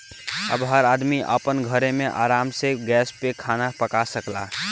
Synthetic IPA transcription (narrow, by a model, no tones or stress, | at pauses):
ə̰bɦəɾad̪miʔə̰pənɡʱəɾemeʔaɾamseɡɛspekʰanapəkasəkla̰